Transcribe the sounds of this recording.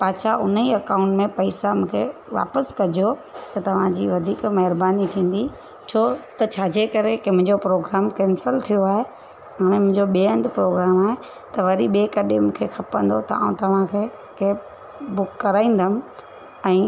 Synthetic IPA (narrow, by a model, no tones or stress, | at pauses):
paːt͡ɕʰaʊn̤iɐkãːʊ̃ɳʈmẽpɐisamũːkʰḛʋa̰ːpəskɐd͡ʑot̪ɐt̪ɐʋ̤ãd͡ʑiːʋɐd̪ʱiːkmɐɦɪɾbaːnit̪ʰĩːn̆d̪i | t͡ɕʰoːt̪ɐt͡ɕʰaːd͡ʑeːkɐɾekɪmʊ̃ɦɪ̃ɲd͡ʑopɾoːɡɾaːmkɛ̃ːnsəlt̪ʰijoaːɦe | aːm̃ẽmʊ̃ɦɪ̃ɲd͡ʑoɓiə̃nd̪pɾoːɡɾaːmaːɦe | t̪ɐʋɐɾiɓeːkɐɗɪmũːkʰexʰɐpə̃nd̪ot̪ɐa̰ːũt̪ɐʋ̤ãkʰeː | ke | bʊkːɐɾaːĩːnd̪əmɪ̆ | ɛ̃ː